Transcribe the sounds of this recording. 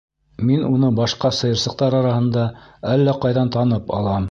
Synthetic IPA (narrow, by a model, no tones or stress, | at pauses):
minunɤbɑʃqɑsɤ̆jɤ̆ɾsɤ̆q̚t̪ɑɾɑɾɑhɤ̆nd̪ɑælːæqɑjðɑnt̪ɑnɤpɑ̰lˠɑm